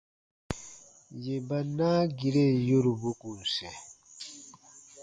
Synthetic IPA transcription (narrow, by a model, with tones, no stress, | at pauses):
je˨ba˨na˦ɡi˨ɾe˦˨jo˦ɾu˨bu˦ku˨sɛ˨